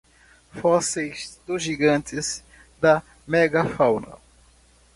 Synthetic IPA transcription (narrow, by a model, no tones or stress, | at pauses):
fɔsejzd̪ʊzʒiɡɐ̃t̪ɪz | d̪ɐ | mɛɡɐfawnɐ̰